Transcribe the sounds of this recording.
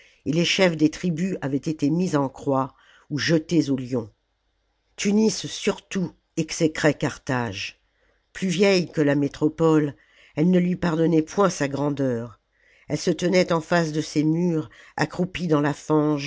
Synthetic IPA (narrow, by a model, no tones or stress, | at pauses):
eleʃɛfd̪et̪χibyavɛt̪et̪emizɑ̃kχwa | uʒət̪ezoljɔ̃ | t̪ynisːyʁt̪u | ɛksekχɛkaʁt̪aʒ | plyvjɛjkəlamet̪χɔpɔl | ɛlnəlɥipaʁd̪ɔnɛpwɛ̃saɡʁɑ̃d̪œʁ | ɛlsət̪ənɛt̪ɑ̃fasd̪əsemyʁa̰kχupid̪ɑ̃lafɑ̃ʒ